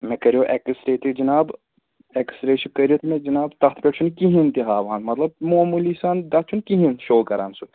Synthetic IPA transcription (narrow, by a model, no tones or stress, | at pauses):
mɛkɐɾijoːʔɛkɨsɾeːt̪ʰid͡ʒɐnaːb | ɛksɾeːʃikɐɾijot̪ʰimɛ̃d͡ʒɐnaːbt̪ɐxt̪ʰpʲeʈt͡ʃʰunkiɦint̪iɦaːʋaːnmɐt̪lɐb̚moːmulisaːnd̪ɐt͡ʃʰunkiɦĩnʃoːkɐɾa̰ːnsu